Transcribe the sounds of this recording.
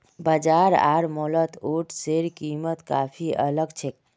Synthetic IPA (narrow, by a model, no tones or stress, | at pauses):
bad͡ʒaɾa̰ːɾmɔlət̪oʈseɾkimət̪ka̰ːpʰiə̰ləɡt͡ʃʰek̚